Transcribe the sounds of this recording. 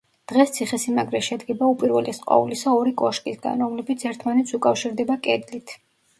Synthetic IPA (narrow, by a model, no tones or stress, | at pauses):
d̪̥ʁɛst̪sʰiχɛsimaɡɾɛʃɛd̪ɡɛbaupʼiɾvɛlisqʼwa̰ulisaɔɾikʼɔʃkʼisɡa̰nɾɔmlɛbit̪sʰɛɾt̪ʰmanɛt̪sʰukʼafʃiɾd̪ɛbakʼɛd̪lit̪ʰ